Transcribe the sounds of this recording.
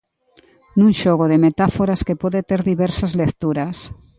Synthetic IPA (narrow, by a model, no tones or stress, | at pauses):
nũŋʃoɣ̞oðemet̪afoɾaskepoðet̪eɾðiβeɾsazlekt̪uɾas